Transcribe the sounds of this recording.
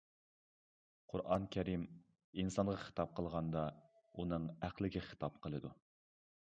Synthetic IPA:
qʰʊɾʔɑnkʲʰɛɾim | insɑnʁɑχə̥t̪ɑp̚qʰəlˠʁɑnd̪ɑ | unɨŋæqlɪɡʲɪχə̥t̪ʰɑp̚qʰəlˠɨd̪u

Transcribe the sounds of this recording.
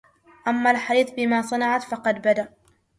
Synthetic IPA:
ʔamːalħaɾiːθˤbɪmaːsˤɑnɑʕat̪fɑqɑd̪bad̪aʔ

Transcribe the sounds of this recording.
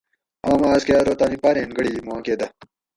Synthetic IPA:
aːmaːskeaːɾoːt̪aːnipaːɾẽːnɡəɽiːmuãːkeːd̪ɐ

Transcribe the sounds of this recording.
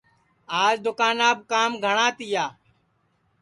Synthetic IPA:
aːd͡ʒd̪ʊkaːnaːb̚kaːmɡʱəɳaːt̪ɪjaː

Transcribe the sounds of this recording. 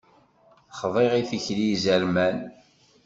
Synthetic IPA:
χðˤeʁiθiçlizəɾmæn

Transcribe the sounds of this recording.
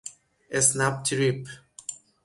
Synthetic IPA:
esnap̚tʰɾip

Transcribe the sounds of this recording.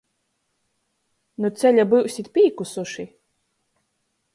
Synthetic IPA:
nut̪sʲɛlʲabɨwsʲit̪pʲiːkusuʃi

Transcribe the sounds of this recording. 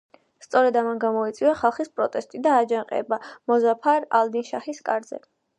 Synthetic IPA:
st̪sʼɔɾɛd̪amanɡamɔit̪sʼiaχalˠχispʼɾɔt̪ʼɛst̪ʼid̪aːd͡ʒaŋqʼɛ̰bamɔzapʰaɾalˠd̪inʃaχiskʼaɾd̪zɛ̰

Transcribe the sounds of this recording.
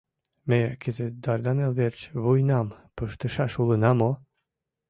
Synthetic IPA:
mekezed̪ɑrd̪ɑnelβert͡ɕβujnɑmpəʃt̪ə̆ʃɑʃulənɑmo

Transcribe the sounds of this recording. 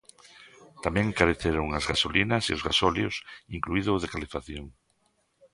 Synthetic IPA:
t̪amɛ̃ŋkaɾeθeɾʊŋazɣasolinɐsḭʊzɣasɔljʊsiŋkluiðʊðekalefaθjoŋ

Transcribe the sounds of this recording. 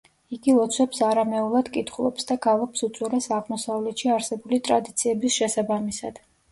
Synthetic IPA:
iɡilˠɔt̪sʰwɛpsaɾamɛulˠad̪̥kʼit̪ʰχulˠɔ̰psd̪aɡalˠɔpsut̪sʼwɛlɛsaʁmɔsavlɛt̪ʃiaɾsɛbulit̪ʼɾad̪it̪sʰiɛbisʃɛsabamisa̰d̪̥

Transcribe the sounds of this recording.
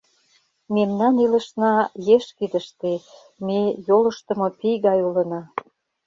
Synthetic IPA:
memnɑnilə̆ʃnɑjeʃkid̪ə̆ʃt̪e | mejolə̆ʃt̪ə̆mŏpijɣɑjulə̆nɑ

